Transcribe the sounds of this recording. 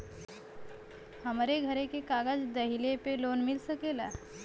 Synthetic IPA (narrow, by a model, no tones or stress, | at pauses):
həmɾeɡʱəɾekekaɡəd͡zd̪əɦilepelonmilsəkela